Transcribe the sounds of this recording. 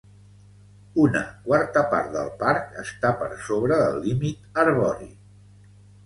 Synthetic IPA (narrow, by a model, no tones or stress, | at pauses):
unə̰kwaɾt̪əpa̰ɾt̪̚d̪ə̰lˠpaɾkəst̪apə̰ɾsoβɾəðə̰lˠːimit̪əɾβɔɾḭ